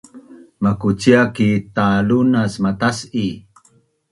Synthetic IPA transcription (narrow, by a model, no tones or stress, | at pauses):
makut͡siakitalunasmatasi